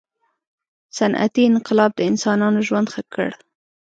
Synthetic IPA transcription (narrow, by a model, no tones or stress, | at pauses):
sanʔa̰t̪iɪnqɪlɑb̚d̪əɪnsɑnɑnoʒwand̪xakʰːə̰ɽ